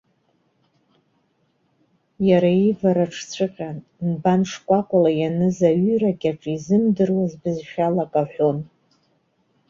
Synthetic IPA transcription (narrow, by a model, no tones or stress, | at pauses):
jaɾaivaɾaʈ͡ʂʰt͡sʷʰɨqʲʼan | nbanʂkʷʼakʷʼʊlajanɨzaɥʏrakʲʼaʈ͡ʂʼizɨmdɨrwazbɨzʃᶣalakʼaħʷᶣon